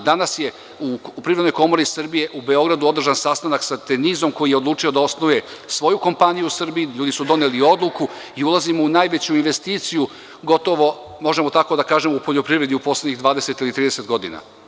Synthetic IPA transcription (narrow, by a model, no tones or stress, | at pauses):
d̪anasje̞ | upɾiɾed̪nojko̞mo̞ɾisr̩bije̞ʔube̞o̞ɡɾad̪uo̞d̪r̩ʒansast̪anaksat̪enizo̞mko̞jijeo̞d̪lˠuːt͡ʂijo̞d̪ao̞snoje̞sʋo̞juko̞mpanijuusr̩biːʎuːd̪isud̪o̞nelio̞d̪luku | iulˠazimo̞unaːjʋe̞t͡ɕuinʋe̞st̪iːt̪siju | ɡo̞t̪o̞ʋo̞ | mo̞ʒemot̪ako̞d̪akaːʒemupo̞ʎo̞pɾiʋɾe̞d̪iupo̞sleɲiɣd̪ʋaːd̪e̞se̞t̪ilit̪ɾiːd̪eset̪ɡo̞d̪ina̰